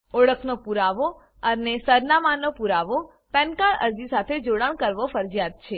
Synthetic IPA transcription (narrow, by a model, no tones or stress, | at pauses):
oɭəkʰnopuɾaʋo | ənesəɾnamanːopuɾaʋo | pɛnkaɭə̰ɾd͡ʒisat̪ʰed͡ʒoɽəɳ̃kəɾʋofəɾd͡ʒijad̪̚t͡ʃʰe